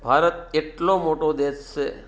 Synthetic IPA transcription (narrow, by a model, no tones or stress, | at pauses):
bʱaːɾət̪̚eʈlomoːʈod̪eːsse